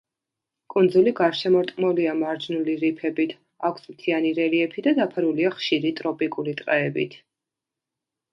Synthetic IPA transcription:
kʼund̪zuliɡaɾʃɛmɔɾt̪ʼmɔliamaɾd͡ʒnuliɾipʰɛbit̪ʰ | akʷʰsmt̪ʰianiɾɛliɛpʰid̪ad̪apʰaɾuliaχʃiɾit̪ʼɾɔpʼikʼulit̪ʼqʼɛɛbḭt̪ʰ

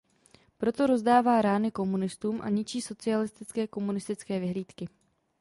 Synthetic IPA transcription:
pɾo̞t̪o̞ɾo̞zdaːvaːɾaːnɪko̞munɪst̪uːmʔa̰ɲɪt͡ʃiːso̞t͡sɪalɪst̪ɪt͡skɛːko̞munɪst̪ɪt͡skɛːvɪɦliːt̪kɪ

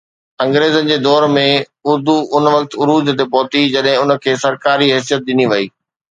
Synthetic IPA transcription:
ɐ̃ŋɡɾeːzənɪ̆d͡ʑeːd̪ɔːɾmẽ | ʊɾd̪uʔʊnʋɐk̚t̪ʊɾuːd̪ʱt̪epɔːt̪id͡ʑɐɗɦɪ̃ʊnə̆kʰeːsɐɾkaːɾiɦɛːs̬ijət̪̚ɗɪniʋɐiː

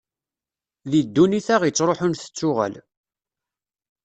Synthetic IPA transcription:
ðid̪ːuniθæʁjət͡sːɾˤoħʊnθə̥t͡sːʊʁæ̰l

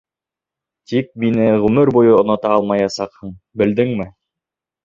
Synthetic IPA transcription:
t̪ik̚minɘʁʉmɘɾbujɤŏnŏt̪ɑɑlˠmɑjɑsɑqhɤɴ | bɘ̆ld̪ɘŋmɘ

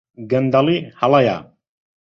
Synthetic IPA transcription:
ɡənd̪alihalaja̰

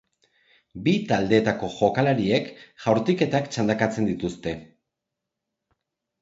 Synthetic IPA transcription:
bit̪ald̪e̞ːt̪ako̞ʝo̞kalaɾie̞kʝawɾt̪ike̞t̪akt͡ʃand̪akat͡se̞nd̪it̪ust̪e̞

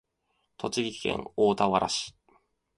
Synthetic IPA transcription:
t̪ʰo̞t͡ɕiɡʲikʲi̥kḛ̃ŋoːt̪aβaɾʔa̰ɕi̥

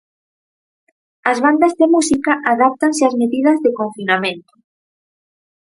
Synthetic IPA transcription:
ɐzβand̪azðemusikaʔaðap̚t̪anseazmeðiðɐzðekõɱfinamẽnt̪ʊ̥

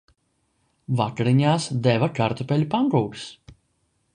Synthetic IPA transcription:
vakɾiɲaːsd̪ɛvakaɾt̪ɔpʲɛlʲupaŋɡɾuːɾs

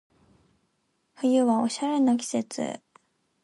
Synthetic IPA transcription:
ɸɯ̟jɯ̟βao̞̰ɕaɾe̞nok̬ʲi̥se̞t͡sɨ̰

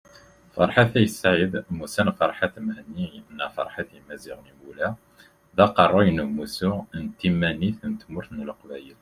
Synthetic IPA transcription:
fɑ̰ɾˤħaθæjəsːaʕəd̪musænfɑɾˤħat̪mhənːijəʔnːæfɑ̰ɾˤħat̪imæziʁnimulæ | ðæqɑrˤːojnumusunt̪ːimːæniθnt̪mʊɾθnəlqbæjəl

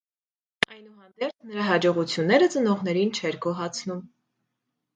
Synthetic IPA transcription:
ɑjnuhɑnd̪ɛɾt͡sʰnəɾɑɦɑd͡ʒɔʁut͡sʰjunːɛɾət͡sənɔʁn̪ɛɾint͡ʃʰɛɾɡɔɦɑt͡sʰnum

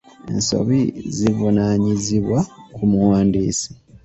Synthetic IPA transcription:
ḛnso̞̰βizivunaɲiziβwakumuwaːndiːsi̥

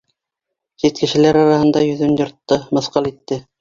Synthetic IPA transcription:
sit̪kɘ̆ʃɘ̆læɾɑɾɑhɤ̆nd̪ɑjɵ̆ðɵnjŏɾt̪ːɤmɤ̆θqɑlˠit̪ːɘ

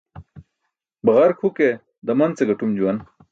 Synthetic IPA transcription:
bɐʁɐɾkʰhuke | d̪ɐmɐnt͡seɡɐʈumd͡ʑuwɐn

